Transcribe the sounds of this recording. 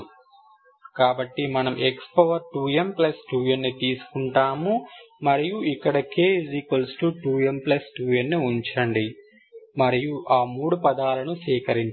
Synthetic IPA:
kaːbɐʈːimɐnɐmʔekspɐʋɐɾʈuːjemplɐsʈuːjɐnːit̪iːsu̥kuɳʈaːmumɐɾijuʔikːɐɽɐkeːzikɐlsʈuʈuːjemplɐsʈuːjenːiuɲt͡ʃɐɳɖi | mɐɾijuʔaːmuːɽupɐd̪aːlɐnusʋiːkɐɾiɲt͡ʃ

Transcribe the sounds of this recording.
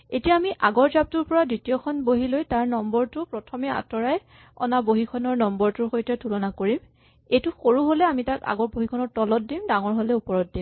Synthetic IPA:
etijaːmiʔaɡɔɹzab̚tuɹpɔɹadɹitiɔkʰɔnboɦilojtaɹnɔmbɔɹtʊpɹɔtʰɔmɛa̰tɔɹaj | ɔ̰naboɦikʰɔnɔɹnɔmbɔɹtʊɹxojtʰɛtʰulɔnakoɹim | ejtʊxoɹuɦolɛamitaka̰ɡɔɹboɦikʰɔnɔɹtɔlɔt̚dimdaŋɔɹɦolɛupɔɹɔt̚dim

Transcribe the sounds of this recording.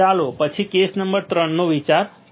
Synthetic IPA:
alopət͡ʃʰikesnəmbəɾt̪ɾəɳːoʋit͡ʃaɾ

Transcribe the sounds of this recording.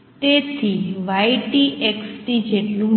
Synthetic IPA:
t̪et̪ʰiʋajʈieksʈid͡ʒeʈlũ

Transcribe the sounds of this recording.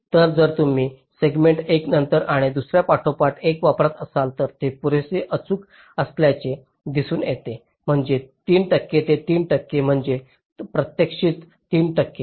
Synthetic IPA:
t̪əɾd͡zəɾt̪um̤iː | seɡmeɳʈeknənt̪əɾaɽ̃id̪usɾjapaʈʰopaʈekʋapɾat̪əsalt̪əɾt̪epuɾeseʔət͡suːk | əsljat͡ɕe | d̪isuːnjet̪e | m̤əɳd͡ʑet̪iːnʈəkːet̪et̪iːnʈəkːem̤əɳd͡ʑe | pɾət̪jəkʂiːt̪ːiːnʈəkːe

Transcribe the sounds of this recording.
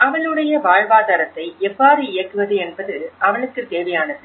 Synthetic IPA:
ɐʋɐɭɯɽɐjɐʋaːɻʋaːðaːɾɐt̪ːɐɪɛʋːaːɾɯɪjɐkːɯʋɐðɯɛnbɐðɯʔɐʋɐɭɯkːɯt̪eːʋɐjaːnɐðɯ

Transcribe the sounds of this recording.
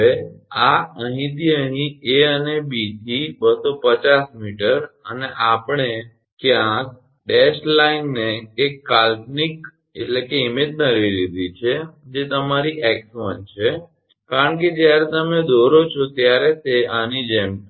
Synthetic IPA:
eaəɦĩt̪iəɦĩeənebit̪ʰibəsopət͡ʃasmiʈəɾəneʔapɳe | kjãk̚ | ɖesʈlainːeːkːalpnik | eʈlekeimet̪nəɾiɾid̪ʱit͡ʃʰed͡ʒet̪əmaɾiʔɛksʋənt͡ʃʰe | kaɾəɳk̬ed͡ʒjaɾet̪əmed̪oɾot͡ʃʰot̪jaɾet̪eanid͡ʒem

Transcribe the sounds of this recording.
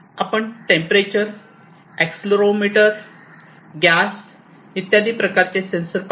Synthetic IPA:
apəɳʈẽmpɾet͡ɕəɾ | eksloɾomiʈəɾ | ɡjas | it̪jad̪iːpɾəkaɾt͡sesẽnsəɾp

